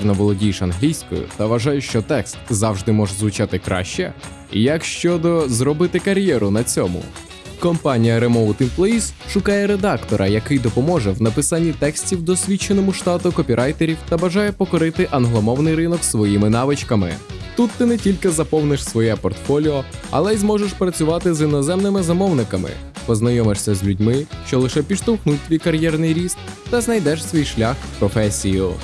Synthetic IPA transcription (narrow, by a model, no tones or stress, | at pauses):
rnɔʋɔlˠɔdʲijʃɐnɦlʲijsʲkɔ̰jʊ̰t̪ɐʋɐʒɑjʊʃt͡ʃɔt̪ɛkst̪zɑwʒd̪ɪmɔʒzʋʊt͡ʃɑt̪ɪkɾɑ̰ʃt͡ʃɛ̰ | jɐkʃt͡ʃɔd̪ɔzɾɔbɪt̪ɪkɐɾʲjɛɾʊnɐt͡sʲɔmʊ̰ | kɔmpɑnʲijɐɾɛmɔwt̪implˠɛisʃʊkɑjɛɾed̪ɑkt̪ɔɾʔɐ̰jɐkɪjd̪ɔpɔmɔʒɛwnɐpɪsɑnʲːit̪ɛksʲtʲiwd̪ɔsʲʋʲit͡ʃːenɔmʊʃt̪ɑt̪ʊkɔpʲiɾʔɑjt̪eɾʲiwt̪ɐbɐʒɑjɛpɔkɔɾɪt̪ɪʔɐnɦlˠɔmɔwnɪjɾɪnɔksʋɔjimɪnɑʋɪt͡ʃkɐmɪ̰ | t̪ut̪ːɪnɛtʲilʲkɪzɐpɔwnɪʃsʋɔjɛpɔrt̪fɔlʲiɔɐ̰lˠɛzmɔʒeʃpɾɐt͡sʲʊʋɑt̪ɪzinɔzɛmnɪmɪzɐmɔwnɪkɐmɪ̰ | pɔznɐjɔmɪʂsʲɐzʲlʲʉdʲmɪʃt͡ʃɔlˠɪʃɛpʲiʃt̪ɔwxnut̚ʲt̪ʲʋʲijkɐɾʲjɛrnɪjɾʲisk | t̪ɐznɐjd̪ɛʃsʋʲijʃlʲaxpɾɔfɛsʲijʊ